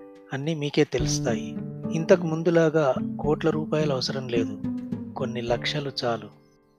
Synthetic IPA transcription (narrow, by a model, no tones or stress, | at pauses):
ɐnːimiːke̞ːt̪e̞lust̪aːjiint̪ɐkumund̪ulaːɡaːkoːʈlɐɾuːpaːjulɐʋɐsɐɾɐmle̞ːd̪uko̞nːilɐkʂɐlut͡ʃaːlu